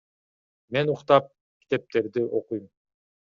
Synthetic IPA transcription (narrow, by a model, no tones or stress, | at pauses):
me̞nuqt̪ɑp̚ | kʲi̥t̪e̞p̚t̪e̞ɾd̪iʔo̞qujum